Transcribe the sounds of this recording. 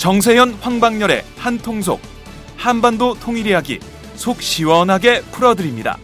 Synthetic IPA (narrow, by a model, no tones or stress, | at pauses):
t͡ɕʌŋs̬ʰe̞jʌnɸwaŋbaŋɲʌɾe̞̰hantʰoŋs̬ʰo̰k̚ | hanbandotʰoŋiɾiɦaɡḭ | sʰok̚ɕ͈iwʌnɦaɡe̞pʰɯɾʌdɯɾimɲida̰